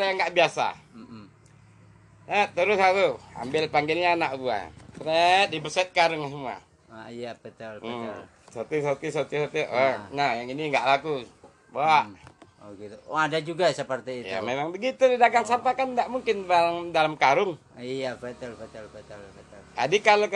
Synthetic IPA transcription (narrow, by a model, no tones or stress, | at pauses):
jaŋɡaʔbiasa̰ | ɛt̪əɾʊsatua̰mbɪlpaŋɡɪlɲaːnaʔbua̰ɾɛt̪̚dibərsɛt̪̚kaɾʊŋas̬əmua̰ | ijapɛt̪əl | sot̪isot̪isot̪isot̪iʔənajaŋiniŋɡaʔlaku | baaʔoɡit̪uoadad͡ʒuɡasapart̪ɛitja̰memaŋbəɡit̪udidaɡaŋsampakandaʔmuŋkɪnbalaŋdalamkaɾʊŋ | ijapɛt̪əlpɛt̪lɛt̪əlt̪lt̪a̰dikalo